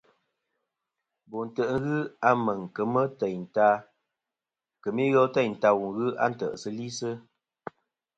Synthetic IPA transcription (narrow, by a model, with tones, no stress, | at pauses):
bo˨n̩˨tə˨ʔŋ̩˦ɣɨ˦a˦mə˨ŋ˨kə˨mə˦tɛ˨jn̩˨ta˦ | kə˨mi˦ɣɔ˦tɛ˦˨n̩˨ta˦wu˨ŋɣɨ˦a̰˦˨n̩˨tə̰˨ʔsə˦li˦sə˦